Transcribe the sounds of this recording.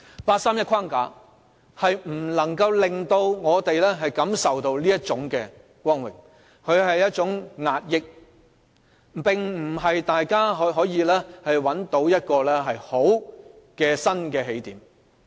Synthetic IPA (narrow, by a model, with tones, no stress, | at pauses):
paː˧t̚saː˥mjɐ˥kʰwaː˥ŋka̰ː˨˥ | hɐ˨jm̩˨˩lɐ˨˩ŋkɐ˧wlɪ˨˩ŋt̪o˧wŋɔː˨˧t̪e˨jlɛː˥ɦɐ˨jkɐ˨˥msɐ˨wt̪o˧wliː˥jɐ˥t̚t͡ʃʊ˨˥ŋkɛː˧ | kʷɔː˥nwɪ̰˨˩ŋ | kʰɵ˨˧ɥɦɐ˨jːɐ˥t̚t͡ʃʊ˨˥ŋŋaː˨t̚jɪ˨k̚ | pɪ˨ŋm̩˨˩ɦɐ˨jt̪aː˨jkaː˥ɦɦɔː˨˥jiː˨˧lɛː˥hɐ˨jwɐ˨˥nt̪o˨˥wjɐ˥t̚kɔː˧lɛ˥ɦɐ˨jho˨˥w | kɛː˧sɐ˥nkɛː˧ɦe˨˥jt̪iː˨˥m